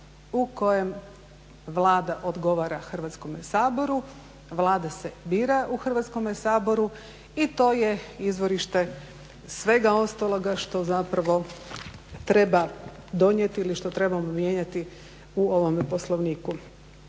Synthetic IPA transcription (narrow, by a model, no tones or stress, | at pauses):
uko̞je̞m | ʋlˠaːd̪aʔo̞d̪ɡo̞ʋaɾaxrʋat̪sko̞mesaːbo̞ɾu | ʋlˠaːd̪asebiːɾaʔuxr̩ʋat̪sko̞mesaːbo̞ɾu | it̪o̞ːje̞izʋoɾiʃt̪e̞ | sʋe̞ɡao̞st̪alˠo̞ɡaʃt̪o̞zapɾaʋo̞ | t̪ɾe̞ba | d̪o̞ɲjet̪iːliʃt̪o̞t̪ɾe̞bamomje̞ːɲat̪i | uo̞ʋo̞mepo̞slˠoʋniːku